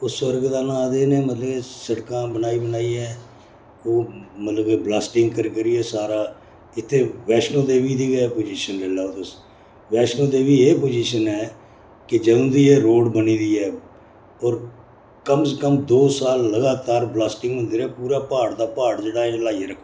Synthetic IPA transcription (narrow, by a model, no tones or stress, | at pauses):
ʊswəɾɡd̪aːnãːd̪eːneːmət̪ləɡeːsəɽkãːbənaːiːbənaːiːɛː | koːmət̪ləbblaːsʈɪŋɡkəɾkəɾiːɛːsaːɾaː | ɪt̪ʰːeːʋɛːʃnõːd̪eːʋiːd̪iːɡəɛːpoːd͡ʒiːʃənlɛːlaːot̪əs | ʋɛːʃnõːd̪eːʋiːeːpoːd͡ʒiːʃənɛː | kɪd͡ʒəd̪õːd̪iːeːɾoːɖbəniːd̪iːɛː | ɔːɾ | kəmsəkəmd̪oːsaːlːəɡaːt̪aːɾblaːsʈɪŋɡɦʊ̃nd̪iːɾɛːpuːɾaːpaːɽd̪aːpaːɽd͡ʒeːɽaːlaːiaɾəkʰː